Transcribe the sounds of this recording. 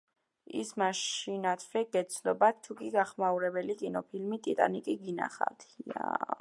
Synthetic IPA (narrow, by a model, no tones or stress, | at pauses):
ḭsmaʃinat̪ʰvɾɛɡ̥ɛt̪sʰnɔbat̪ʰːukʼiɡaχmauɾɛbɛlikʼinɔpʰilmit̪ʼit̪ʼa̰nikʼiɡina̰χa̰d̪̥ʰa̰